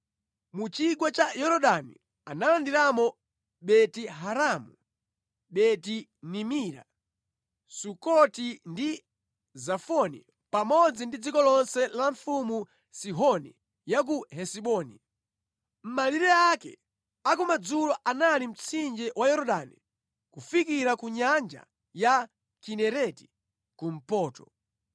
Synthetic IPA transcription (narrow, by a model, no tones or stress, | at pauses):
mut͡ʃiɡwat͡ʃajɔɾɔɗanḭ | analandiɾamɔ | ɓɛtiɦaɾamu | ɓɛtinimiːɾa̰ | sukɔtindi | zafɔnḭ | pamɔd͡zindid͡zikɔlɔnsɛlaɱfumu | siɦɔnḭ | jak̬uɦɛsiɓɔːnḭ | m̩maliɾɛakɛ̰ | akumad͡zulɔʔanalim̩t͡sʰind͡ʒɛwajɔɾɔɗanḭ | kufikiɾakuɲand͡ʒa̰ | ja | kinɛɾɛti̥ | kum̩pɔːtɔ